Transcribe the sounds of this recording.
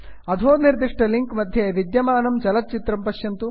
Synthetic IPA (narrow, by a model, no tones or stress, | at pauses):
ɐd̪ʱʰoːniɾd̪iʂʈɐliŋkmɐd̪ʱjeʋid̪jɐmaːnɐmt͡ʃɐlɐt̪̚t͡ʃit̪ɾɐmpɐʃjɐnt̪u